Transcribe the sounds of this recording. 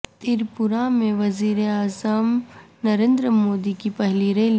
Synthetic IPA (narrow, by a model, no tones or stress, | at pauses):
t̪iɾpʊɾamẽʋɐziːɾeaːzəmnɐɾẽːnd̪ɾəmoːd̪ikipɛɦliɾel